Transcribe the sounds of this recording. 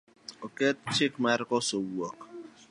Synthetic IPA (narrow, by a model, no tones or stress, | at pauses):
oket̚t͡ʃɪkmaɾkɔsowɔk